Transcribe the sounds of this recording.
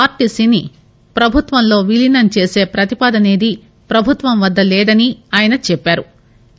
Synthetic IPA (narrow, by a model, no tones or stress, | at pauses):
aːɾʈisini | pɾɐbʱut̪ʋɐnlo̞ːʋilinɐnt͡ʃe̞ːse̞ːpɾɐt̪ipaːd̪ɐne̞ːd̪i | pɾɐbʱut̪ʋɐmʋɐd̪ːɐlɛːd̪ɐniaːjɐnɐt͡ʃɛpːaːɾu